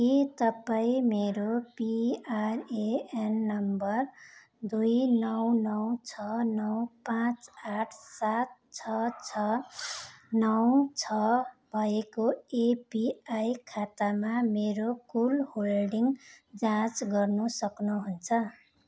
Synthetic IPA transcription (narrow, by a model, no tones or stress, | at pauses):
kit̪ʌpaĩmeɾopiareenːʌmbʌr | d̪ujnʌwnʌwt͡sʰʌnʌwpãt͡saʈʰsat̪̚ | t͡sʰʌt͡sʰʌ | nʌwt͡sʰʌbʱʌekoepiajkʰat̪amameɾokulholɖiŋd͡zãt͡sɡʌrnusʌknuɦunt͡sʰʌ